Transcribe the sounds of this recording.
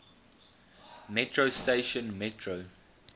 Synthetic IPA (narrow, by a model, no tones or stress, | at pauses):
mɛtʰɹosteɪʃə̃nmɛtʰɹo